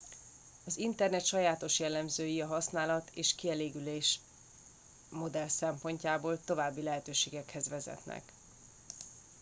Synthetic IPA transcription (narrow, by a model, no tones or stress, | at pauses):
ɒzint̪ɛrnɛt̪ʃɒjaːt̪o̞ʃjɛlːɛmzøːjiɒɦɒsnaːlɒt̪ʰeːʃkiɛleːɡyleːʃ | mo̞d̪ɛlsɛmpo̞ɲcaːboːlt̪o̞vaːbːilɛɦɛt̪øːʃeːɡɛkhɛzʋɛzɛ̰t̪nɛ̰k